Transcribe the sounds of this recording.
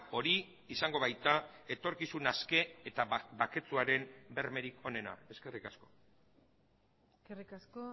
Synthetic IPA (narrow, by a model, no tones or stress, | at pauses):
o̞ɾiː | saŋɡo̞β̞ajt̪ae̞t̪o̞ɾkisunaske̞et̪abake̞t͡suaɾe̞mbe̞ɾme̞ɾikʰo̞ne̞na̰e̞ske̞rikasko̞̥ | skerikasko